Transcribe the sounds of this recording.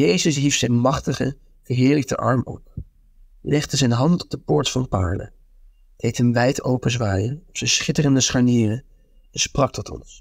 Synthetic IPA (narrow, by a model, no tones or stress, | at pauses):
jejzəsɦifsɛjnmɑχtəχə | v̥əɦɪːɹlək̚tə̰ʔɑ̰ɹmɔ̰p̚ | lɛχdəzɛnɦɑntɔ̥b̚dəpʊːɹtfɑndəpa̰ːɹlə̰ | d̥ejtɦəmʋɛjtowpəzʋaːjənɔpsɛnsχɪtərəndəsχaɹniːrə | ɛnsprɑk̚tɔtɔ̰ns